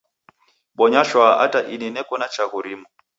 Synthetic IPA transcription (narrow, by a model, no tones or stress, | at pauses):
ɓɔɲaʃwaʔa̰taʔininɛkɔnat͡ʃaɣuɾimɔ